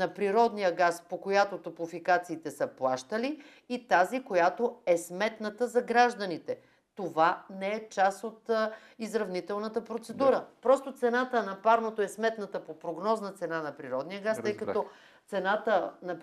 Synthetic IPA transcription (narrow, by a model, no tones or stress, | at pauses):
nɐpɾiɾɔd̪nijəɡaspokojat̪ot̪opufikat̪siːt̪ɛsəplˠaʃt̪əliː | t̪azikojat̪oɛsmɛt̪nət̪əzɐɡɾaʒd̪ənit̪ɛ | t̪ovanɛɛt͡ʃasot̪ | izɾɐvnit̪ɛlˠnət̪əpɾot̪sɛd̪uɾəpɾɔst̪ot̪sɛnat̪ənɐpaɾnot̪oɛsmɛt̪nət̪əpopɾoɡnɔznət̪sɛnanɐpɾiɾɔd̪nijəɡast̪əjkɐt̪ɔ | t̪sɛnat̪ənɐ